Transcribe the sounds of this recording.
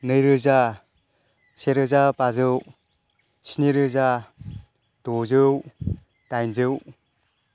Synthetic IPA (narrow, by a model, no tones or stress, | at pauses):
nɯjɾɯza | seɾɯzapazɯw | siniɾɯza | d̥ozɯw | tajnzɯw